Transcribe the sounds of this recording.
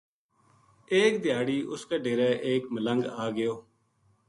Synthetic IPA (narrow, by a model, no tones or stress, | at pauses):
eːk̚d̪ɪjaːɽiːʔʊskeːɖeːɾeːʔeːkmələŋɡaːɡɪjoː